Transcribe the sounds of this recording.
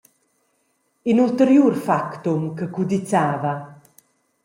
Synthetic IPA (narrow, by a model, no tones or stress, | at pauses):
inult̪əɾjuːɾfakt̪umkəkud̪it͡saːva